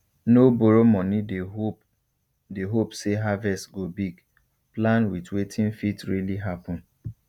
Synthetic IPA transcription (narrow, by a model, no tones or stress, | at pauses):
noboɾomɔnide | deɦopseɦavɛstɡobiɡ | plãnwitwetʰĩnfitɹiliɦapɔ̃n